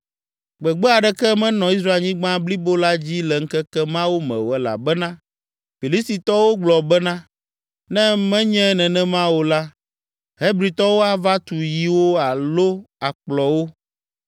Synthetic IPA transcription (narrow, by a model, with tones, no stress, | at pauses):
ɡ͡bɛ˨ɡ͡bɛ˦a˨ɖɛ˦kɛ˦mɛ̃˦nɔ̃˨i˦s̬ɾa˦e˨lɲĩ˦ɡ͡bã˦bli˦bo˦la˦d͡ʑi˦lɛ˨ŋ̩˦kɛ˦kɛ˦mã˦wo˦mɛ̰̃˨wɛ˨la̰˨bɛ˦nã˦ | fi˨li˦st̪i˨t̪ɔ˦wo˦ɡ͡blɔ˨bɛ˦nã˦ | nɛ̃˦mɛ̃˦ɲɛ̃˦nɛ̃˨nɛ̃˦mã˦wo˦la˦ | ɦe˦bɾi˨t̪ɔ˦wo˦a˨va˦t̪u˨ji˨wo˦a˨lo˦a˨k͡plɔ˨wo˦